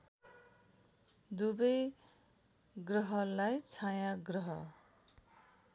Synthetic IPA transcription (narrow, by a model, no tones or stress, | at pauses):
d̪ubʌj | ɡrʌɦʌlajt͡sʰajãɡrʌɦʌ